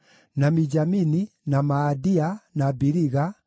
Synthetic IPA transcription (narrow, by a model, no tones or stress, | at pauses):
namid͡ʒamininamaːdianabiɾiɣa